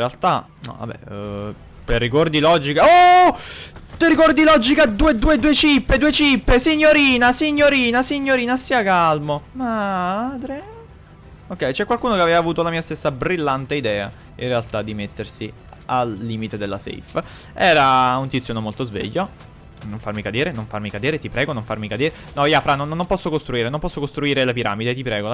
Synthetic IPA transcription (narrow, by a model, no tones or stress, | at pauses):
ealt̪a | nɔ̰va̰bɛ̰ | perikɔrd̪ilɔd͡ʒikao | t̪eɾikɔrd̪ilɔd͡ʒikad̪uːed̪uːed̪uet͡ʃipːed̪uːet͡ʃipːesiɲːoɾiːnasiɲːoɾiːnasiɲːoɾiːnasiːakalmomad̪ɾe | okːɛjt͡ʃɛkwalkuːnokeavɛːvaːvuːt̪olamiːast̪esːabɾilːant̪eid̪ɛːa̰ | inrealt̪ad̪ːimet̪ːersi | alːiːmit̪ed̪elːa̰sḛf | ɛːɾaunt̪it̪sjoːnomolt̪ozvḛʎːo | noɱfarmikad̪eːɾenoɱfarmikad̪eːɾet̪ipɾɛːɡonoɱfarmikad̪eːɾe | nɔiːafɾanonnːompɔsːokost̪ɾuiːɾenompɔsːokost̪ɾuiːɾelepiɾa̰ːmid̪et̪ipɾɛːɡo